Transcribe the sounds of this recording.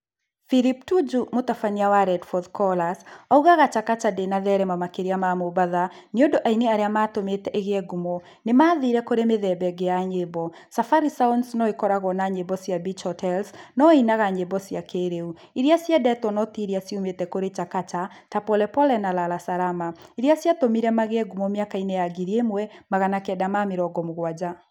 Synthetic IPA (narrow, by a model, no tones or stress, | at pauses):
filip̚tud͡ʒumotafaniawaɾɛdfɔðkɔlasauɣaɣat͡ʃakat͡ʃadenaðɛɾɛmamakeɾiamamobaðaneondoʔaineaɾeamatometɛʔeɣeɛɡumɔ | nemaːðiɾɛkoɾemeðɛbɛɡejaɲebɔ | safaɾisaunsnɔekɔɾaɣɔnaɲebɔsjabit͡ʃhɔtʰɛlsnɔinaɣaɲebɔsiakeɾeu | iɾiasjɛdɛtwɔnɔtiɾiasiumetɛkoɾet͡ʃakat͡ʃa | tapɔlɛpɔlɛnalalasaɾamaiɾiasjatomiɾɛmaɣeɛɡumɔmjakainejaɡiɾiemwɛmaɣanakɛdamameɾɔɡɔmoɣwad͡ʑa